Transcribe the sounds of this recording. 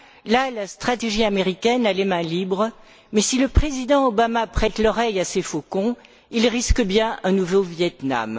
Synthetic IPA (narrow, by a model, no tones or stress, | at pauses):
lalast̪χat̪eʒiameʁikʲɛnalemɛ̃libʁ | mɛsiləpχezid̪ɑ̃obamapχɛt̪lɔʁɛjasefokɔ̃ | ilʁiskəbjɛ̃ʔɛ̃nuvovjɛt̪na̰m